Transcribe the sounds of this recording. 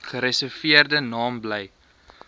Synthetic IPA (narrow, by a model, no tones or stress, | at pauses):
χəɾɛsɛrfiərdənɑːmblɛj